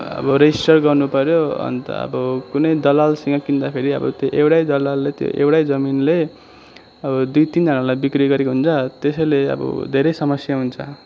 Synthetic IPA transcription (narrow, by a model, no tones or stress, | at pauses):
ʌ̰bʌɾʌisʈʌrɡʌrnupʌɾjoʌ̰nt̪ʌ̰ʌ̰bʌkunʌjd̪ʌlalsʌŋɡʌkind̪apʰeɾiʌ̰bʌ̰t̪joʔewɽajd̪ʌlalːet̪jo̰ʔḛwɽajd͡zʌminle | ʌbʌd̪ujt̪ind͡zʌnalajbikriɡʌɾekoɦunt͡sʰʌt̪esʌjleʌ̰bʌ̰d̪ʱeɾejsʌmʌsjaɦunt͡sʰʌ